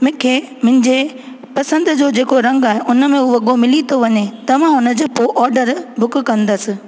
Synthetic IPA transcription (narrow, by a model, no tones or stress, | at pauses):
mɪ̃kʰeː | mʊ̃ɦɪɲd͡ʑe | pɐsə̃nd̪ʊd͡ʑoːd͡ʑeːkoɾɐ̃ŋɡaːɦeʔʊnəmẽʊɐɠomɪlit̪ʰoʋɐɲet̪ɐʋ̤ãʊnə̆d͡ʑeːpoʔɔːɾɖəɾbʱʊkkɐ̃nd̪əsɪ̆